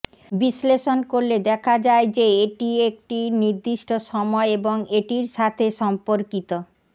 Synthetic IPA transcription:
bisleʃonkoɾled̪ɛkʰad͡ʑaed͡ʑeeʈiek̚ʈiniɾd̪iʃʈoʃɔmɔeeboŋeʈiɾʃat̪ʰeʃɔmpoɾkit̪o

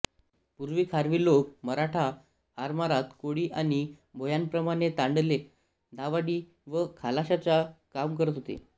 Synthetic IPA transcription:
puɾʋiːkʰaɾʋiːlokməɾaʈʰaː | ɾmaɾat̪koɽiːʔaɽ̃i | bʱojanpɾəmaɽ̃et̪aɳɖle | d̪ʱaʋaɽiː | ʋəkʰalaɕat͡sakamkəɾət̪ɦot̪ḛ

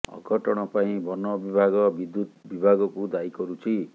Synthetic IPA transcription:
ɔ̰ɡʱɔʈɔɽ̃ɔpaĩbɔnɔbibʱaɡɔbid̪ːut̪bibʱaɡɔkud̪aikɔɾut͡ʃʰi

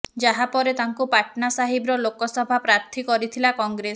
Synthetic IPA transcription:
d͡ʒaɦapɔɾet̪aŋkupaʈʰnasaɦibɾɔlokɔsɔbʱapɾaɾt̪ʰikɔɾit̪ʰilakɔŋɡɾes

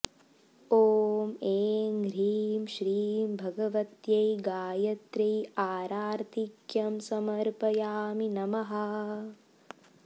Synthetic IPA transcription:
oːmeːŋɡɾiːmʃɾiːmbʱɐɡɐʋɐt̪jɐjɡaːjɐt̪ɾɐjaːɾaːɾt̪ʰikjɐmsɐmɐɾpɐjaːminɐmɐɦɐ

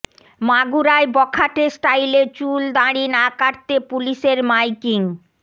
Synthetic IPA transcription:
maɡuɾaebɔkʰaʈesʈajlet͡ɕuld̪aɾinakaɾt̪epuliʃeɾmajkiŋ

